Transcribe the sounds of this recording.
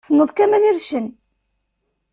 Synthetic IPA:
sənːəðˤkæmæniɾʃən

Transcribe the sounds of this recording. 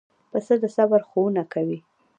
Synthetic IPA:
pəsəd̪əsabaɾxowunakawi

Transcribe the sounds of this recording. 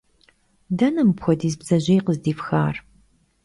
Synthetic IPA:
dɐnɐmɨpxʷɔdiːzbz̥ɐʑejqəzdiːfxaːr

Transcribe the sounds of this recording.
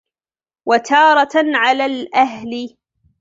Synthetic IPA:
wat̪ʰɑːɾˤɑʕalaːlʔaɦlɪ

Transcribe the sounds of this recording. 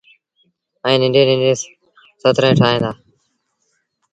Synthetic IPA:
ə̃ːnɪ̃ɳɖẽːnɪ̃ɳɖẽː | sət̪ɾẽːʈʰaːɦẽːnd̪aː

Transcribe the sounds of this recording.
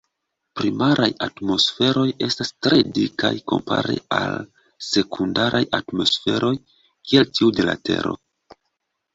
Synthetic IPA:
pɾimaɾʔajatmo̞sfe̞ɾo̞je̞stastɾe̞dikajko̞̰mpaɾe̞̰al | se̞kʰundaɾʔajatmo̞sfe̞ɾʔo̞j | kieltiudela̰tʰe̞̰ɾo̞̰

